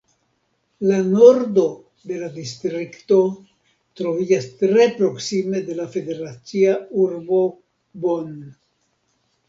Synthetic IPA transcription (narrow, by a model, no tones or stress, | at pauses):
lano̞ɾdo̞ | de̞ladistɾikto̞ | t̪ɾo̞vid͡ʒastɾe̞pɾo̞ksime̞de̞lafe̞de̞ɾat͡siauɾbo̞ | bon